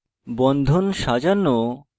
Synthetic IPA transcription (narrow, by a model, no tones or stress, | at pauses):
bɔnd̪ʱonʃad͡ʑano